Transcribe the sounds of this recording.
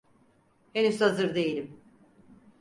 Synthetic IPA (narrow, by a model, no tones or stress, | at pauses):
henyzhazɯɾd̪e̞jilʲim